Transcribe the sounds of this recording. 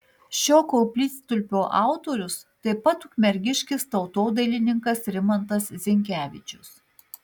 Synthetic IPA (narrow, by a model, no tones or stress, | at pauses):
ʃʲoːkoːpʲlʲiːt̪st̪ʊlʲpʲoːʔɑˑʊt̪oːɾʲʊst̪ɐɪpɐt̪ʊkʲmʲɛɾʲɡʲɪʃʲkʲɪst̪ɒʊt̪oːd̪ɐlʲɪnʲɪŋkɐsɾʲɪmɐnt̪ɐszʲɪŋʲkʲæːʋʲɪt͡ʃʲʊs